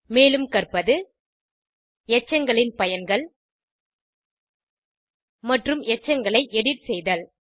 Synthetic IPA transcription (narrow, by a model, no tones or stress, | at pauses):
meːlɯmkɐrpɐðɯ | ɛt͡ʃːɐŋɡɐɭɪnpɐjɐnɡɐɭ | mɐʈrɯmʔɛt͡ʃːɐŋɡɐɭɐɪʔɛɽɪʈsɛjðɐl